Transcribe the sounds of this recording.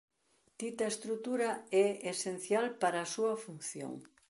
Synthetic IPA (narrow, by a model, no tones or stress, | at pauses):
t̪it̪ɐest̪ɾut̪uɾɐɛesen̟θjalpaɾɐsuɐfunθjo̰ŋ